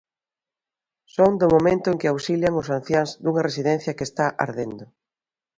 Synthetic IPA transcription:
soŋd̪ʊmomẽnt̪ʊeŋkɪawsiljaŋʊsan̟θjaŋzðuŋɐresiðɛn̟θjɐkest̪aʔa̰ɾðend̪ʊ

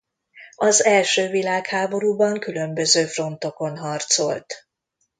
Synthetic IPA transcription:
ɒzɛlʃøːvilaːkhaːbo̞ɾuːbɒŋkylø̞mbøzøːfro̞n̪t̪o̞ko̞nɦɒrt̪so̞̰lt̪

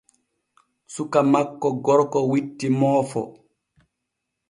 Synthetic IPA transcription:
sukamakːɔɡɔɾkɔwitːimɔːfɔ̰

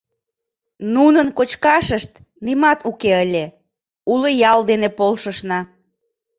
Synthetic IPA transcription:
nunənkot͡ɕkɑʃəʃt̪ | nimɑt̪ukeəlʲe | uləjɑld̪enepolʃəʃnɑ

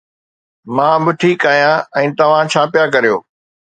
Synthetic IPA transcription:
mãːbɪʈʰiːkaːɦijãɛ̃ːt̪ɐʋ̤ãt͡ɕʰaːpijak̬ɐɾijo̰ː

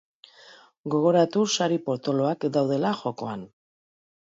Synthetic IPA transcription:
ɡo̞ɣ̞o̞ɾat̪usaɾipo̞ɾt̪olo̞akd̪awð̞e̞laxo̞ko̞̰a̰n

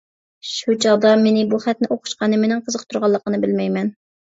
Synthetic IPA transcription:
ʃut͡ʃʰɑʁd̪ɑmenɪbuχɛt̪nɪʔoqʰʊ̥ʃqɑnɨmenɪŋqʰəzəq̚t̪ʰuɾʁɑlˠːəqənɨbɪlmɛjmɛn

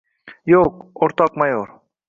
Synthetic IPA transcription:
joːkoɾt̪aːkmajoːɾ

